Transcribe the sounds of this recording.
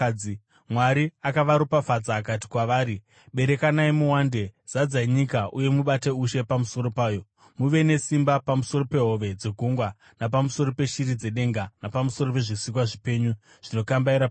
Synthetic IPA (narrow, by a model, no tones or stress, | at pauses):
i | mwaɾiakaʋaɾupafad͡zaːkati̥kwaʋaːɾi | ɓe̞ɾe̞kanaimuwaːnde̞z̥ad͡zaiɲikaʔuje̞muɓate̞uʃe̞pamuso̞ɾo̞paːjo̞ | muʋe̞ne̞simbapamuso̞ɾo̞pe̞ɦo̞ʋe̞d͡ze̞ɡʱuŋɡwa | nap̬amuso̞ɾo̞pe̞ʃiɾid͡ze̞ɗe̞ŋɡanapamuso̞ɾo̞pe̞ʐisik̬waʐipe̞ɲu | ʐ̥ino̞kambaiɾap